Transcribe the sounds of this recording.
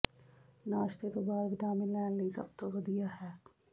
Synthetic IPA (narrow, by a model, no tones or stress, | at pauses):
naːʃt̪et̪obaːɾbɪʈaːmɪlɛːlːisɐ̰b̚t̪oʋɐd̪ijaɦɛː